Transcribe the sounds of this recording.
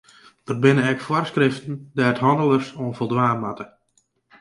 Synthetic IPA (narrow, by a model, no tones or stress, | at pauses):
ʋər̚bɪnəɛkfwɔrskrɪftən̩dɛtɦɔndəlˠərsoənvəlˠdʋaːnmatə